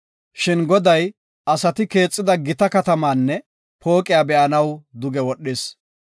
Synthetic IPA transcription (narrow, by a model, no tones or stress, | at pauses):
ʃɪnɡɔd̪ɐj | ɐsɐt̪ɪke̞ːt͡sʼːɪd̪ɐɡɪt̪ɐkɐt̪ɐmaːnːɛ | pʰo̞ːkʼɪjaːbɛʔɐnɐwd̪ʊɡɛwɔɗːɪs